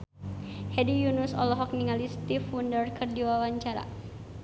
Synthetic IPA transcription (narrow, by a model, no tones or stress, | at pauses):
hɛdijunusɔ̰lɔɦɔk̚niŋalist̪ifundərkərdiwawaɲt͡ʃaɾa̰